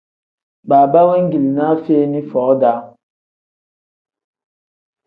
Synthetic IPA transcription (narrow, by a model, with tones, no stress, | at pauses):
baː˨ba˦wɛ˦ŋ̩˦ɡi˨lna˦feː˦ni˦fɔː˨˦da˨˦